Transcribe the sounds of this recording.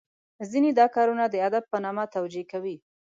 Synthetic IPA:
zined̪ɑkɑɾunad̪əad̪ab̚pənɑmat̪awd͡ʒekawi

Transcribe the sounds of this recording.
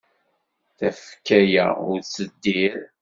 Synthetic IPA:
θæfkːæjæ̰ʊ̰ɾt͡sːəd̪ːiɾ

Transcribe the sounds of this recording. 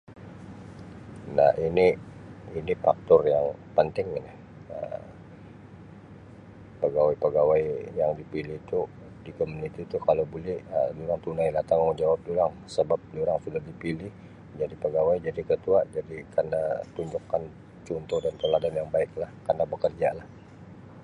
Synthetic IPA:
na̰hiniinifak̚t̪ɔrjaŋpənt̪ɪŋna | ə̰ | pəɡawajpəɡawajjaŋdipilɪht̪u | dikomunit̪it̪ukalowbulɛhəduɾaŋt̪unailat̪aŋamund͡ʒawap̚duɾaŋ | səbap̚diuɾaŋsudahdipilɪh | d͡ʒadipəɡawajd͡ʒadikət̪uad͡ʒadikarnat̪uɲd͡ʒɔkːan | t͡ʃɔnt̪ɔdanpəladanjaŋbaɪk̚lahkarnabəkərd͡ʒalah

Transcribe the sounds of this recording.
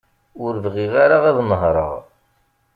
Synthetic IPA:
ʊɾvʁiʁaɾaʁæðnəɦɾˤə̰ʁ

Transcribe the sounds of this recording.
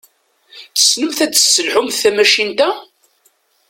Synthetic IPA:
θə̥snəmθæt͡sːə̥sːəlħʊmθθæmæʃint̪æ

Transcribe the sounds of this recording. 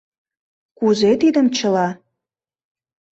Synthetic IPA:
kuzet̪id̪ə̆mt͡ɕə̆lɑ

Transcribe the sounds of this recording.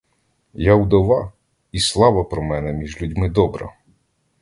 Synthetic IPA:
jawd̪ɔʋɑ | islˠɑʋɐpɾɔmɛnɛmʲiʒlʲudʲmɪd̪ɔbɾɐ̰

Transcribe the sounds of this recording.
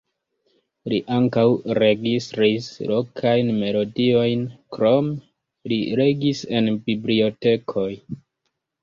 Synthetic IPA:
liʔaŋkawɾe̞ɡistɾislo̞kʰajnme̞lo̞dio̞jnkɾo̞m | liɾe̞ɡise̞nbiblio̞te̞kʰo̞j

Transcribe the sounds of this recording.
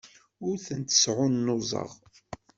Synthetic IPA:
ʊɾθənt̪ə̥sʕʊnːozˤə̰ʁ

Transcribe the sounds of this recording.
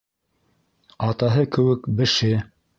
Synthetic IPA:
ɑt̪ɑɦɤkɘ̆wɘkbɘ̆ʃɘ

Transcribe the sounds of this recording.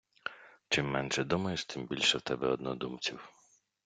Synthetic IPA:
t͡ʃɪmːɛnʃɛd̪umɐjʊʃt̪ɪmbʲilʲʃɛwt̪ɛbɛɔd̪̚nɔd̪umt͡sʲiw

